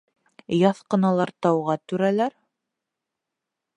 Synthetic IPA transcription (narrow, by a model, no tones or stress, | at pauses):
jɑθqɤ̆nɑlˠɑɾt̪ɑwʁɑt̪ʉɾælæɾ